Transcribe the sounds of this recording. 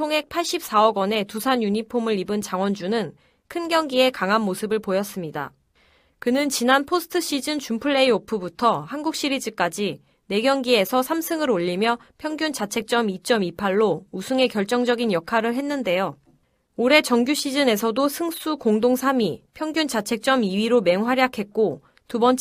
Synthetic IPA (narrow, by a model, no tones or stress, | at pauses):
t͡ɕʰoŋɦe̞k̚pʰaɭɕ͈ip̚s͈aʌɡwʌne̞tusʰaɲjuɲipʰomɯɾibɯnt͡ɕaŋwʌnd͡ʑunɯn | kʰɯnɡjʌŋɡie̞kaŋɦanmosʰɯbɯɭpojʌs͈ɯmɲida̰ | kɯnɯnt͡ɕinanpʰosʰɯ̥tʰɯɕ͈ʰid͡ʑɯnt͡ɕumpʰɯɭːe̞iopʰubutʰʌhanɡuk̚ɕ͈iɾid͡ʑɯk͈ad͡ʑi | ne̞ɡjʌŋɡie̞sʰʌsʰamsʰɯŋɯɾoʎːimjʌpʰjʌŋɡjunt͡ɕat͡ɕʰe̞k̚t͡ɕ͈ʌmit͡ɕ͈ʌmipʰaɭːousʰuŋe̞kjʌɭt͡ɕ͈ʌŋd͡ʑʌɡinjʌkʰaɾɯɭɦe̞nːɯnde̞jo | oɾe̞t͡ɕʌŋɡjuɕ͈ʰid͡ʑɯne̞s̬ʰʌdosʰɯŋs͈ukoŋdoŋsʰamipʰjʌŋɡjunt͡ɕat͡ɕʰe̞k̚t͡ɕ͈ʌmiɥiɾome̞ŋɦwaɾjakʰe̞k͈o | tubʌnt͡ɕ